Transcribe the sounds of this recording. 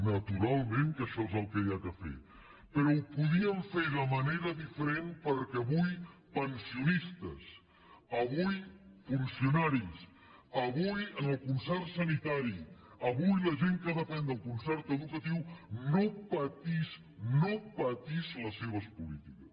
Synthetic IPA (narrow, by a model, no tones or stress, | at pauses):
nət̪uɾalˠmẽŋkəʃɔezəlˠkejakəfḛ | pəɾɔupuðiəɱfeðəməneɾəðifəɾenpəɾkɛːβujpənsiunist̪əs | əβujfunsiunaɾis | əβujənəlˠkunsɛɾsənit̪aɾi | əβujləʒeŋkəðəpɛnd̪əlˠkunsɛɾt̪əðukət̪iwnopət̪is | nopət̪izləsːeβəspulit̪ikəs